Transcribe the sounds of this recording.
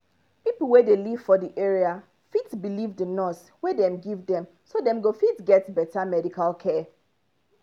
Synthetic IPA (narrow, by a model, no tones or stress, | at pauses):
pipl̩ˠwɛdeliv̥fɔdiʔɛɹia | fitbilivdənɔs | wɛdɛ̃mɡivdɛ̃m | sodɛ̃mɡofitɡɛtbɛtʰamɛdikʰalkʰɛ